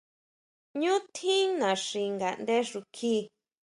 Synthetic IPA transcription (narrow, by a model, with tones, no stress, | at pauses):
ɲũ˦t̪ʰĩ˦nã˨ʂi˧ŋɡa˨nd̪e˦ʐu˧kʰiː˦